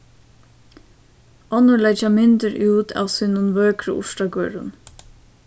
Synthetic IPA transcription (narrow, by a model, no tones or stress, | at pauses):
ɔnʊlɛt͡ʃamɪnt̪ɪɾʔuːt̪ʰa̰wsiːnʊnʋœːkɾʊ̰ʔʊ̰ʂtaɡœːɾʊ̰n